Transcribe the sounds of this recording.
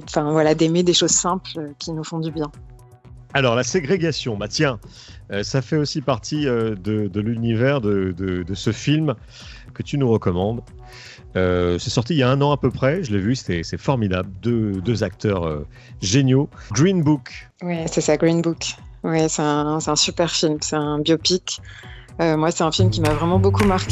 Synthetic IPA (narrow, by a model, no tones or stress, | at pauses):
ɑ̃fɛ̃vwalad̪emed̪eʃozsɛ̃pløkʲinufɔ̃d̪ybjɛ̃ | alɔʁlaseɡʁeɡasjɔ̃bat̪jɛ̃ | øsafɛosipaʁt̪ʰiød̪əd̪əlynivɛʁd̪əd̪əd̪əsəfilm | kət̪ynuʁəkɔmɑ̃d̪ | øsɛsɔʁt̪ijaɛ̃nɑ̃apøpχɛʒəlɛvyse̥t̪ɛsɛfɔʁmid̪abld̪ød̪øzak̚t̪ʰœʁø̰ | ʒenjoɡʁinbuk | wɛsɛsaɡʁinbukwɛsɛɛ̃sɛt̪ɛ̃sypɛʁfilmsɛɛ̃bjopik | ømwasɛt̪ɛ̃filmkʲimavʁɛmɑ̃bokumaʁkʲe